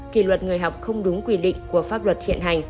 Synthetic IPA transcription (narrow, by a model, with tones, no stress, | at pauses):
kḭ˧˩lwə˨˩t̚ŋɨ˨˩əjɦa˨˩wk͡p̚xə˧wŋ͡mɗʊ˨˦ŋ͡mkwi˧ɗḭ˧˨ŋ̟ku˧˩əfaː˦˥p̚lwə˨˩t̚hḭ˧˨əna˨˩jŋ̟